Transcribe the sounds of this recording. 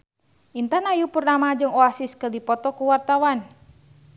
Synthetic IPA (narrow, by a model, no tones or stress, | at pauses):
ʔint̪anajupurnamad͡ʒɨŋɔasiskədipɔt̪ɔkuwart̪awan